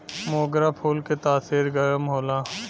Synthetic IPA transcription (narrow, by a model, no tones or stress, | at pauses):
moːɡɾapʰuːlket̪aːsiːɾɡəɾəmɦoːlãː